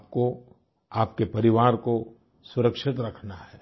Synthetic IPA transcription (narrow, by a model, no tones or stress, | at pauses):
p̚ko | aːp̚kepɐɾɪʋaːɾko | sʊɾəkʃɪt̪ɾɐkʰnaɦɛː